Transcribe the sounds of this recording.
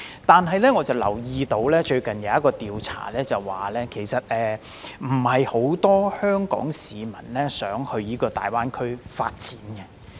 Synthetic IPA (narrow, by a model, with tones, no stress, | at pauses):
t̪aː˨nɦɐ˨jlɛː˥ŋɔː˨˧t͡sɐ˨˩wlɐ̰˨˩wjiː˧t̪o˧wlɛː˥t͡ʃɵ˧ɥkɐ˨njɐ˨˧wjɐ˥t̚kːɔː˧t̪iː˨wt͡sʰa̰ː˨˩lɛː˥t͡sɐ˨˩wwaː˨lɛː˥kʰe˨˩jsɐ˨t̚ʔɛː˨˧ | m̩˨˩hɐ˨jho˨˥wt̪ɔː˥hœː˥ŋkɔ̰ː˨˥ŋsiː˨˧mɐ˨˩nlɛː˥sœː˨˥ŋhɵ˧ɥniː˨˥kɔː˧t̪a̰ː˨jwaː˥nkʰɵ˥ɥfa̰ː˧t̚t͡siː˨˥nɡɛ˧